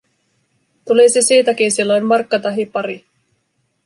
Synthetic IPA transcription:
t̪ulisisiːt̪æk̟insilːo̞jmmɑrkːɑt̪ɑɦipɑɾi

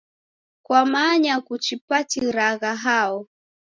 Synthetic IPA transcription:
kwamaɲakut͡ʃipatiɾaɣaɦaɔ

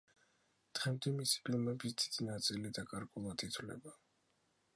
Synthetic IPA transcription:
t̪ʁɛmd̪imisi̥pʰʼilˠmɛbisd̪̥id̪̥inat̪sʼilid̪akʼaɾɡʼulˠad̪it̪ʰwlɛ̰ba

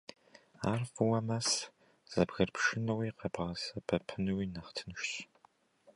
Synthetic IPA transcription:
aːrfɨwɐmɐs | z̥ɐbɣɐrpʃɪnɐwiːqɐbʁɐsɐbʰɐpʰɨnɨwiːnɐχtʰɨnʃɕ

